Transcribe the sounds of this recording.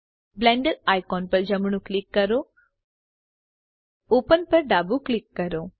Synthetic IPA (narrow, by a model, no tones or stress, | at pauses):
blɛ̃ːɳɖəɾaːjkɔːnpɐɾd͡ʒɐmɳ̃ũklɪkːəɾoː | oːpənpəɾɖaːbuklɪkːɐɾoː